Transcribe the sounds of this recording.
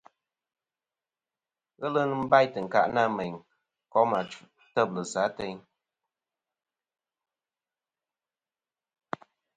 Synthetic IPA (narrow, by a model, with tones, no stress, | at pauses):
ɣə˦lɨ˦n˦m̩˦ba˦˨jtɨ˨ŋ̩˨ka̰˨ʔna˦˨mɛ˨ŋ | kɔ˨˦ma˨t͡ʃu˨ | tə˦˨b̚lə˨za˨˦tɛ˦ɲ